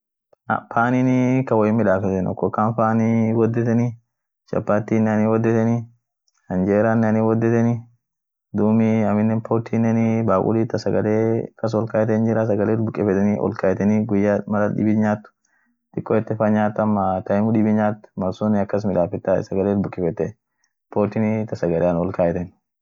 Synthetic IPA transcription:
a̰faːninikɐwɔjɪmɪᶑaːfɛt̪ːɛnɔ̰kːɔkːaːnfaːniwɔd̪ːɛt̪ɛni | ʃɐ̰pːaːt̪ːinːɐniwɔd̪ːɛt̪ɛni | hɐnd͡ʒeːɾaːnːɛɐniwɔd̪ːɛt̪ɛni | d̪uːmɪɐmɪnːɛnpʰoːt̪ʰːiːnːɛnibaːkʼʊ̰liːt̪ːɐsɐɡɐleːkɐs̬ɔlkaːjɛt̪ɛnd͡ʒɪɾɐs̬ɐɡɐleːtbʊkʼɪfɛt̪ɛniʔɔ̰lkaːjɛt̪ɛniːɡʊjːaːmɐlɐᶑɪ̰bɪɲaːt̪ːʊ̥ | t̪ɪkʼːɔɛt̪ːɛfɐɲaːt̪ːɐmːat̪ɐɪmʊdɪbɪɲaːt̪ːʊ̥mɐɾsoːnɪɐkːɐs̬mɪlaːfɪt̪ːa̰sɐɡɐleːtbʊkʼːɪfɛt̪ːɛ | poːɾt̪init̪ɐsɐɡɐleːnɔlkaːjɛt̪ɛn

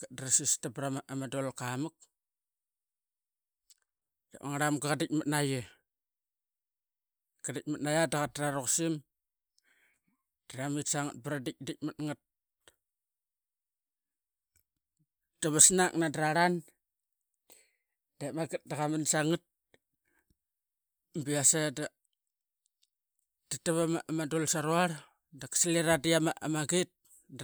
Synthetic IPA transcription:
ɡat̚dɾasistabɾamaʔamadolkamuk̚ | dḛmaŋaɾamɡakadik̚matnaje | ɡadik̚matnajadaɣat̚raɾoksim | d̥ramitsaŋat̚baɾadik̚dik̚matŋat̚ | d̥aβasnaknadɾaɾan | demaɡit̚daɣaminsaŋit̚ | mbiasada | d̥itaβamaʔamadolsaɾuaɾ | dakḁsaliɾadiamaʔamaɡit̚

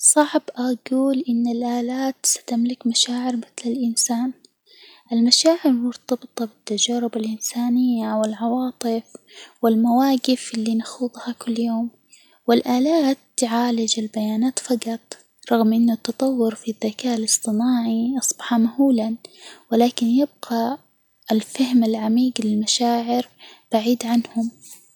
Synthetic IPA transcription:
sˤɑʕbʔaɡuːlʔɪnːɪlʔaːlaːt̪sḁt̪amlɪkmaʃaːʕɪɾmɪθlɪlʔɪnsaːn | ʔɪlmaʃaːʕɪɾmʊɾt̪ɑbɨt̪ˤɑbɪt̪ːad͡ʒaːɾɪbalʔɪnsaːnɪjːawɪlʕɑwɑːt̪ˤɨfwɪlmawaːɡɪfʔɪlːinaxuːðˤhakʊlːjoːm | wɪlʔaːlaːt̪ʕaːlɪd͡ʒalbajaːnaːt̪fɑqɑt̪ˤ | ɾˤɑɣmʔɪnːʊt̪ːɑt̪ˤɑwːʊɾfiðːakaːʔɪlɨsˤt̪ˤɨnaːʕiʔɑsˤbɑħɑmahuːlanwɪlaːkɪnjɪb̚ɡa | ɪlfahmɪlʕamiːɡlɪlmaʃaːʕɪɾb̥aʕiːd̪ʕanhʊm

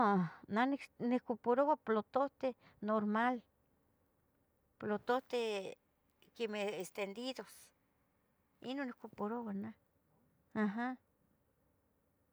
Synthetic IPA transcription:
onanknikopoɾowaplot̪oht̪e | noɾmal | plot̪oht̪e | kemeest̪end̪id̪os | ḭnonihkopoɾowana | aɦa

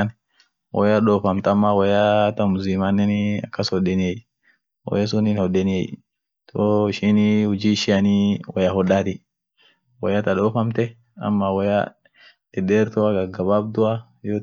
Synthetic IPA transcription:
n | wʔɐ̰jaᶑoːfɐmt̪ɐmːɐwɐjat̪ɐmʊzimanːɛnɐ̰kːɐsɔdɛnej | wɐ̰jasʊnɪnhɔɗɛnɛj | t̪ʰoɪʃinihʊd͡ʒiʃɪjɐniwɐjahɔᶑaːt̪ɪ | wɐ̰jat̪ɐɗoːfɐmt̪ɛ | ɐ̰mːɐwɐja̰ | ɛɗeːɾt̪ɔaɡɐɡɐbaːb̚d̪ʊa | joː

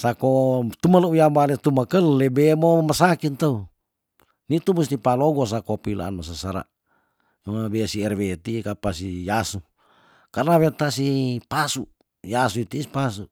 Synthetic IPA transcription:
sakot̪umaləujambalet̪umakəlːebemomasakint̪ou | nit̪umust̪ipaloɡos̬akopila̰a̰nmas̬asaɾa̰ | abesiɛrwet̪ikapasijasu | karnawet̪asipasu | jasuit̪isi̥pasu

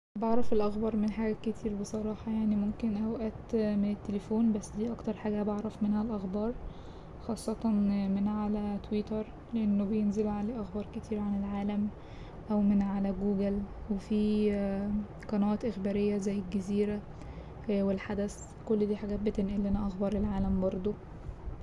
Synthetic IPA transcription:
beʕɾˤɑfelʔɑxbɑɾˤmenħaːɡæket̪ʰiːɾbesˤɑɾˤɑːħɑjaʕnimomkenʔæwʔæːt̪menet̪ːelefoːnbæsːd̪iːʔɑkt̪ɑɾˤħaːɡæbeʕɾˤɑfmenhælʔɑxbɑːɾˤ | xɑːsˤːɑt̪ˤɑnmenʕalæt̪wiːt̪ɑɾˤ | leʔenːobejenzelʕaleːʔæxbɑɾˤket̪ʰiːɾʕanelʕaːlæm | ʔæwmenʕalæɡuːɡelwefiː | qɑnæwæːt̪ʔexbæːɾejːæzæjːelɡæziːɾæ | welħad̪æs | kolːd̪iːħaɡæːt̪̚bet̪enʔælːenæʔɑxbɑɾˤelʕaːlæmbɑɾˤd̪ˤo

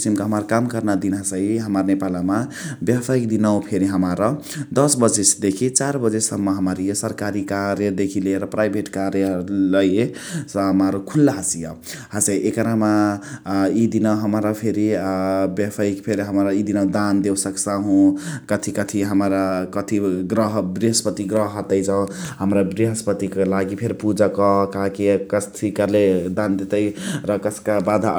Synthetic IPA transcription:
isimkaɦəmaɾkamkəɾnad̪inɦasəiɦəmaɾnepalamabjapʰaikd̪inawpʰeɾiɦəmaɾə | d̪ʌsbəd͡ʒesd̪ekʰit͡ʃaɾbəd͡ʒesəmːʌɦəmaɾijesəɾkaɾikaɾjed̪ekʰileɾəpɾajbʱeʈkaɾjeləjesɦmaɾokʰulːaɦasija̰ | hasajʔekəɾama | id̪inaɦəmɾapʰeɾibepʰajkpʰeɾɦəmɾaid̪inad̪and̪ewsəksaɦũkət̪ʰikət̪ʰiɦəmɾakət̪ʰiɡɾəɦbɾiɦəspət̪iɡɾəɦɦət̪əjd͡ʒaõɦəmɾabɾiɦəspət̪ikelaɡipʰeɾpud͡ʒakʌɦkaɦãkikəst̪ʰikəɾled̪and̪et̪əjɾʌkʌsʰkabad̪ʱa

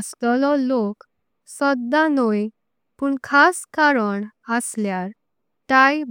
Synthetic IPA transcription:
st̪ɔlɔlok | sɔd̪ːanoj | puːɳkʰaskaɾəɳ | əsljaɾ | t̪aj

